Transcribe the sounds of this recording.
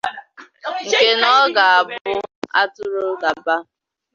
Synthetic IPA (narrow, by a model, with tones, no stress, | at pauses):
ŋ̩˨ke˦nɔ˦ɡa˨a˨bʊ˦a̰˦tʊ˦ɾʊ˦ɡa˨ba˦